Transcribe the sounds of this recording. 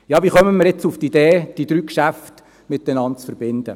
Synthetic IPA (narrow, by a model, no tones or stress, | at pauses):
jɑːʋiχœməməɾɛt͡suftid̥̪eːd̥id̥̪ɾyːkʃæft | mɪt̪̚d̥ɛnɑnt̚t͡sfəɾbɪnd̪ə̰